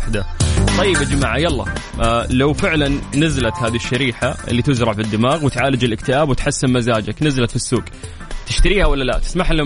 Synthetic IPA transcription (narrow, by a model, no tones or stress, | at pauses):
ħd̪at̪ˤːɑjːɪbʔad͡ʒmaːʕajɑlˤːɑ̰ | lawfɪʕlanːazalat̪haːðiʃːaɾiːħaʔɪ̰lːit̪ɪzɾˤɑʕbɪd̪ːɪmaːɣwɪt̪ʕaːlɪd͡ʒɪlɪkt̪ɪʔaːbwɪt̪ħasːɪnmazaːd͡ʒaknazalat̪fisːuːɡ | t̪ɪʃt̪aɾiːhawalːalat̪ɪ̥smaħalː